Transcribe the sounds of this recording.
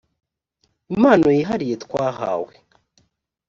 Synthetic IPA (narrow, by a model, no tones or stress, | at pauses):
imaːno̞jiɦaɾije̞tkwaːɦa̰ːwe